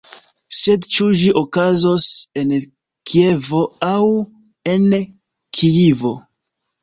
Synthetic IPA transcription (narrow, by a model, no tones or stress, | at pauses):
se̞dt͡ʃud͡ʒiʔokazo̞se̞n | kʰie̞vo̞aw | e̞n | kʰijivo̞̰